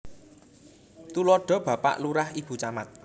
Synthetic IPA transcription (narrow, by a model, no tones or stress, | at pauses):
t̪ulɔɖ̥ɔ̤b̥ä̤pa̰ʔluɾahib̥ṳt͡ʃamat̪̚